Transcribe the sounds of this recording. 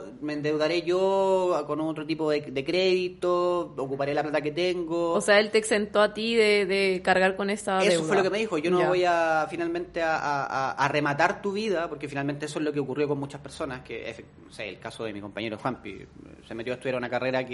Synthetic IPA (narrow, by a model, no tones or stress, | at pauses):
meːnd̪ewðaɾe̞ʝokonot̪ɾot̪̬ipoðed̪ekɾeðit̪ookupaɾe̞laplat̪aket̪eŋɡooseaelt̪eːksent̪oat̪iðeðekaɾɣaɾkonesaðeseowfwelokemeðixoʝonoβo̞jafinalmẽ̞nt̪eaʔaaːremat̪aɾt̪uβiðapoɾke̞finalme̞nt̪eesoezlo̞keokurjo̞komut͡ʃaspe̞ɾso̞naskḛḛf | noseḛlkasoðemiko̞mpaɲeɾoxwampḭ | semet̪joest̪uðjaɾaunakareɾak